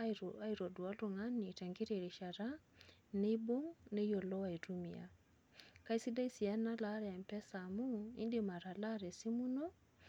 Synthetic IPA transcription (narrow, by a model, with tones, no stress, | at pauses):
a˦iɾo˨du˨a˦ru˨ŋa˦ni˨tɛ˨ŋɡi˦ɾe˨ɾi˨ʃa˨ɾa˦ | ne˦bo˦ŋne˦jo˨lɔ˦wa˨i˨tu˦mi˨a̰˨ | ka˦i˦si˦da˦i˦si˨ɛ˦na˦la˦ɾɛ˨ɛ˨mpɛ˦sa˨mu˦ḭ˦ndima˨ɾa˨la˦ɾe˨si˦mu˦no˦